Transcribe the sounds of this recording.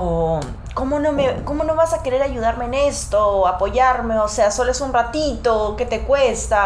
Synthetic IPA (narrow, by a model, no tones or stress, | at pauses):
o | ko̞mo̞nomeko̞mo̞noβasake̞ɾe̞ɾaʝuð̞aɾmeːne̞st̪o̞apo̞ʝaɾme̞ose̞aso̞loesunrat̪it̪o̞ke̞t̪e̞kwe̞st̪a